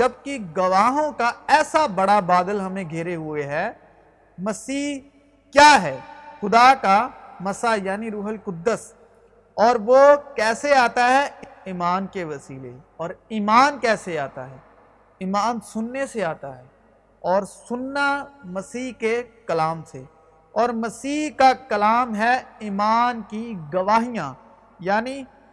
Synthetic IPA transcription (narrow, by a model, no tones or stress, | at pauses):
d͡ʒɐb̚kiɡɐʋaːɦõkaɛːsabɐɽabaːd̪əlɦɐmẽɡʱeːɾeɦʊeɦɛː | mɐsiːɦ | kjaːɦɛːxʊd̪akamɐsajaːniɾuːɦəlkʊd̪ːəs | ɔːɾʋokɛːseaːt̪aɦɛiːmaːnkeʋɐsiːleɔːɾiːmaːnkɛːseaːt̪a̰ɦɛː | iːmaːnsʊnːeseaːt̪aɦɛː | ɔːɾsʊnːamɐsiːɦkekɐlaːmse | ɔːɾmɐsiːkakɐlaːmɦɛiːmaːnkiɡɐʋaːɦijãː | jaːni